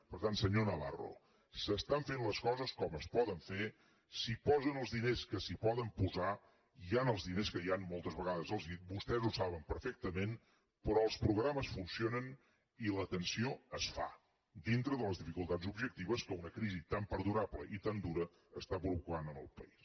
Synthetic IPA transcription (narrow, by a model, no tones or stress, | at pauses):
pəɾt̪ansəɲonəβa̰ro̰ | səst̪aɱfenləskɔzəskɔməspɔðəɱfe | sipɔzənəlˠzðineskəsipɔðəmpuza | ianəlˠzðineskəjanmɔlˠt̪əzβəɣaðəzəlˠzibust̪ɛzusaβəmpəɾfɛk̚t̪əmen | pɾɔəlˠspɾuɣɾaməsfunsionən | ilət̪ənsioəsfa̰ | d̪int̪ɾəðələzðifikulˠt̪adzubʒək̚t̪iβəskəunəkɾizit̪ampəɾðuɾapləʔit̪and̪uɾə | əst̪apɾuβukanənə̰lˠpəis